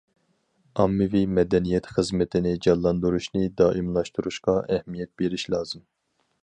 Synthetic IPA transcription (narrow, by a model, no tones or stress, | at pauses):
ɑmːɪvimɛd̪ɛnijɛt̪χəzmɪt̪ʰɪnɪd͡ʒɑlˠːɑnd̪uɾuʃnɨd̪ɑːʔimlˠɑʃt̪uɾuʃqɑʔɛhmijɛt̪̚beɾiʃlɑːz̥ɨm